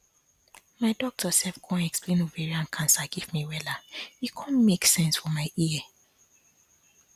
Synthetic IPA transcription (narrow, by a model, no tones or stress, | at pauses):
maɪdɔk̚tʰəsɛlfɡ̥oãnɛksplẽnovɛɹiãnkʰãnsaɡivmiwɛlajikʰɔ̃nmeksɛ̃nsfɔmaɪiə